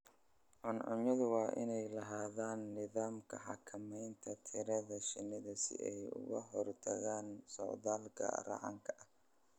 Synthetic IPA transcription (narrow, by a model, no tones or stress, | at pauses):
ʕʊnʕʊɲɐðʊwɑːʔɪ̰nɛjlɐɦaːðaːnːɪðaːmkʰɐħɑ̰kʰɐmɛjnt̪ʰɐt̪ʰɪɾɐðɐʃɪnːɪðɐsɪ̰ʔɛjʊ̰ɣɐ̰ɦɔrt̪ʰɐɣaːnsɔ̰ʕðaːlkʰɐ̰rɑ̰ʕɑ̰ŋkʰɐʔɐ